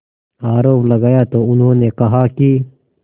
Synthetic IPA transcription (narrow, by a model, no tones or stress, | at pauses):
aːɾoːplɐɡaːjat̪oʊnɦõːnekɐɦaki